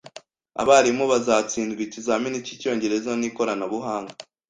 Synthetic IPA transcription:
a̰βaɾimoβazaːt͡siːnɡicizaminicico̞ɲɟe̞ɾe̞zaniːko̞ɾanaβuɦaːŋɡa

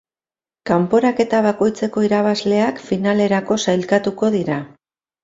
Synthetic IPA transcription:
kampo̞ɾake̞t̪aβ̞ako̞jt͡se̞ko̞iɾaβ̞azle̞akfinale̞ɾako̞sajlkat̪uko̞ðiɾa

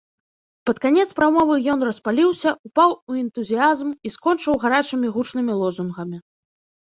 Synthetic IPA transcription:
pɐt̪kanʲɛt̪spɾamɔvɨjɔn̪rɐspalʲiwsʲɐupawuɛnt̪uzʲijazmiskɔnt͡ʂɨwɣaɾat͡ʂɨmʲiɣut͡ʂnɨmʲilˠɔzunɣɐmʲi

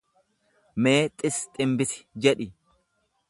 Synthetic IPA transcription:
me̞ːt̪ʼɪst̪ʼɪmbɪsɪ̥d͡ʒɛᶑɪ

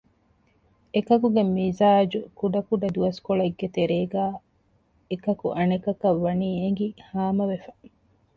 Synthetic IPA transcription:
ekɐkuɡemizaːd͡ʒukuɖɐkuɖɐd̪uʋɐskoɭɐeɡːet̪eɾeːɡæː | ekɐkuʔɐnekɐkɐʋːɐniːeŋ̆ɡihaːmɐʋefɐ̥

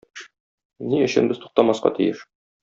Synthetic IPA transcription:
niɵ̆ɕɘ̰̆nbɘzt̪u̥q̚t̪ɑmɑsqɑ̰t̪ḭjɘʃ

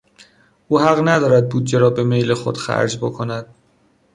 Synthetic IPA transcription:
ʔuːhæɣnæd̪ɒːɾæd̪̚buːd̪̚d͡ʒe̞ɾɒːbe̞me̞jlexo̞̰d̪̥xæ̰ɾd͡ʒbokʰonæd̪̥

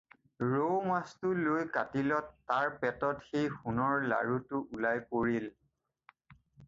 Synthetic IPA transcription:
ɹowmastʊlojkatilɔtːaɹpɛtɔtxejxunɔɹla̰ɹutʊʔulajkoɹil

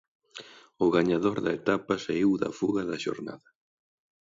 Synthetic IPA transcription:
ʊɣaɲaðoɾðɐet̪apɐsaiwðɐ̰fuɣɐðɐʃo̰ɾna̰ðɐ

